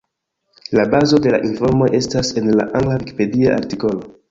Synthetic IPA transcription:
labazo̞de̞laʔinfo̞ɾmo̞ʔe̞stase̞nla̰ʔaŋɡlaviki̥pe̞diaʔa̰ɾtiko̞lo̞

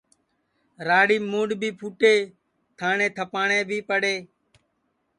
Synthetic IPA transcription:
ɾaːɽiːmũːɖbʱiːpʰuːʈeː | t̪ʰaːɳẽːt̪ʰəpaːɳẽːbʱiːpəɽeː

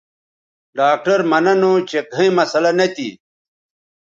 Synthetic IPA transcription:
ɖaːk̚ʈɐɾmɐnɐnot͡ɕekɐ̃ĩmɐsɐlɐnɐt̪ḭ

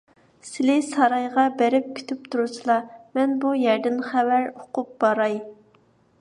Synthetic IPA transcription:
sɪlɪsɑɾɑjʁɑbæɾɪp̚kʲʰy̥t̪ʰyp̚t̪ʰuɾusɨlˠɑmɛnbujɛɾd̪ɪnχævæɾoqʊp̚b̥ɑɾɑj

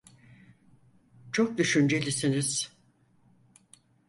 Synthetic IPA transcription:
t͡ʃʰok̚d̪yʃynd͡ʒelʲisiniz̥

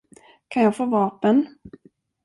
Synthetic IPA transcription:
kʰanjɑːɡfoːvɑːpən

